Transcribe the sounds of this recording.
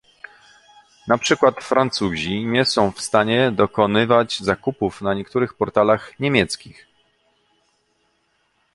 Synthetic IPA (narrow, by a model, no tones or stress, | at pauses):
napʂɘkwat̪fɾant̪suʑiɲɛsɔ̃w̃fst̪aɲɛd̪ɔkɔnɘvad͡ʑzakupufnaɲɛkt̪uɾɘxpɔɾt̪alaxɲemʲjɛt̪skʲix